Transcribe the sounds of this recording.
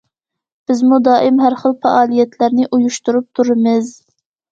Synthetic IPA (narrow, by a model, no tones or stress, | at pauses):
b̥ɪzmud̪ɑːʔɪmɦæɾχəlˠfɑʔɑːlˠijɛt̪ʰlæɾnɪʔujuʃt̪uɾup̚t̪ʰuɾɨmɨz